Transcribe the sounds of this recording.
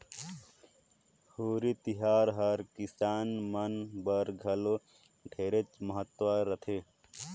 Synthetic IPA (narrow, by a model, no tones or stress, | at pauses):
hoːɾit̪iɦaːɾɦɐɾkisaːnmɐnbəɾɡʱɐlo | ɖʰʱeːɾet͡ʃmɐɦət̪waɾɐt̪ʰeː